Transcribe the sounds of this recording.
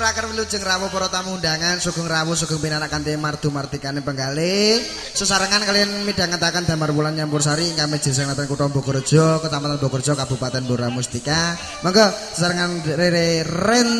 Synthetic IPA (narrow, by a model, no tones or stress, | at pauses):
ɾakərwilud̥d͡ʒ̥əŋrawɔpɔɾɔt̪amundaŋansuɡ̥ʊ̤ŋrawɔs̬uɡ̥ɔ̤ŋpinanaʔkant̪imard̪̥ṳmard̪̥i̤kanepəŋɡale | susaɾəŋankalijanmidaŋant̪akand̪a̤marpulanjampʊrsaɾiŋkamed̥d͡ʒ̥ə̤s̬əŋlat̪ankuʈɔmbɔkɔrd̥ʒ̥ɔkət̪amat̪anbɔkɔrd̥d͡ʒ̥ɔkabṳpat̪ɛnboɾamust̪ika | maŋkɔsəsaɾəŋanreɾerɛn